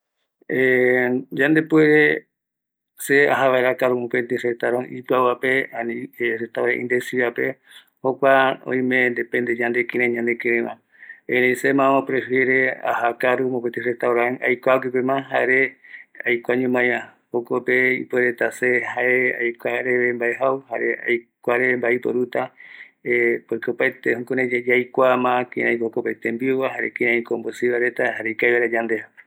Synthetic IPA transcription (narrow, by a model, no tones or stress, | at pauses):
ed͡ʒãnd̪epueɾe | seaɦaʋaeɾakaɾumõpẽnt̪eset̪aɾõŋʔipɨawapeanĩset̪aɾã̰ʔḭ̃nd̪esiβape | hokʷaõ̰ĩmẽnd̪epẽnd̪eɲãnd̪ekẽɾẽɲãnd̪ekẽɾẽmã | eɾẽĩsemãõpɾefje̞ɾea̰hakaɾumõpent̪eset̪aoɾãŋa̰jkʷak̬ʷipemãɦaeɾeajkʷaɲũmãjɾãhokopeḭpueɾet̪asehaʔeajkʷaɾeβembaeɦawhaɾḛa̰jkʷaɾeβembaipo̰ɾut̪a | epojkopat̪ehõkoɾẽed͡ʒajkʷamãkĩɾẽjkokopet̪ẽmbiowaɦaɾekĩɾ̃eãĩkombosiβaɾet̪ahaɾeikajβaɾad͡ʒand̪eha